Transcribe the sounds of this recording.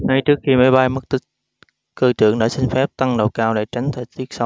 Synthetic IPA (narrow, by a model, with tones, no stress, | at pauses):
ŋa˧jt͡ɕɨ˦˥ək̚xi˧ma˨˦jɓa˧jm˦˥k̚t̪i˦˥k̚ | kəː˧t͡ɕɨ̰˧˨əŋɗə̰ː˧˩sï˧ŋ̟fɛ˦˥p̚t̪a˧ŋɗə˨˩wkaː˧˩wla̰ː˧˨t͡ɕa˨˦jŋ̟t̪ʰə˨˩k̚t̪ʰi˦˥ək̚sa˨˦w